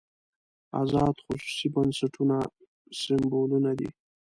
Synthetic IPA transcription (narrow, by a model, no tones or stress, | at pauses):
a̰zɑd̪xʊsu̥sibansaʈʰuna | sɪmbolunad̪ḭ